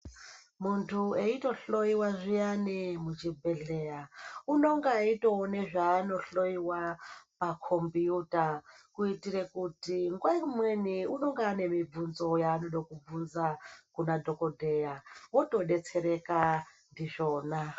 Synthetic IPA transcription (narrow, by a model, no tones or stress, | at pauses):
muntʰueito̞ɬo̞jiwaʐijanimut͡ʃibʱe̞ɮe̞jauno̞ŋɡaitoːneʐaːno̞ɬo̞jiwapakʰombiutakuitiɾe̞kutiŋɡwaimweniuno̞ŋɡaːne̞mib͡vunzo̞jaːno̞ɗokub͡vunzakunadʱo̞kodʱejawoto̞ɗe̞t͡se̞ɾe̞ka | ndiʐo̞ːna